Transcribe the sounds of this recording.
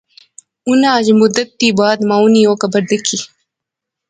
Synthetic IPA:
unaːd͡ʑmʊd̪ɐt̪ːiːbaːd̪maːunioːkɐbɐɾd̪əkʰi

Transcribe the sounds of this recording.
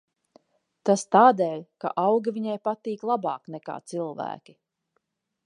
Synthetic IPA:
t̪ast̪aːd̪eːʎʲka̰ʔawɡiviɲajpat̪iːklˠabɑːknɛka̰ːt̪silˠvæ̰ːkʲi̥

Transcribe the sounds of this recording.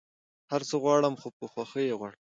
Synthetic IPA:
haɾt͡səɣwɑɽəmxopəxwaxəjeɣwɑɽ

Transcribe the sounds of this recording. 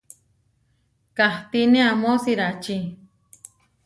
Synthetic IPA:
kaht̪inẽamosiɾat͡ʃi

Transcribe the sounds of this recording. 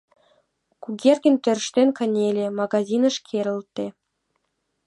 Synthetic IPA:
kuɡʲerɣʲɘ̆nʲt̪ɘ̆rʃt̪enʲkə̆nʲelʲĕmɑɡɑzʲinɤ̆ʃkʰeɾə̆lt̪ːe

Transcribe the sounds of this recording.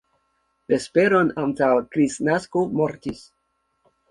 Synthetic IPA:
espe̞ɾo̞nantawkɾisnaskomoɾtis

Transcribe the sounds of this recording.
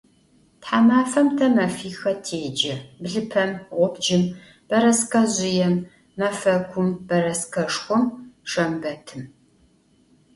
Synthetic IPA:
tħaːmaːfɐmtʰɐmɐfiːxɐtʰeːd͡ʒɐbɮɨpʰɐmʁʷʊpd͡ʒɪm | b̥ɐɾɐsqɐʑɪjɛmː | ɐfɐɡʷʰʊmb̥ɐɾɐskɐʂxʷɔmʂɐmbɐtʰɨm

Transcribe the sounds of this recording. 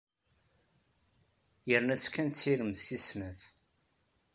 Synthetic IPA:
jəɾnæt͡sːkːænt̪siɾəmθisnəθ

